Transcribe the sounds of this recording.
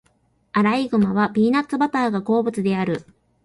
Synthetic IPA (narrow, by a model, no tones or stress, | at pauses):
aɾaiɡɯ̟maβ̞abʲiːnat̪t͡sːɨbat̪aːɡako̞ːbɯ̟t͡sɨd̪e̞aɾɯ̟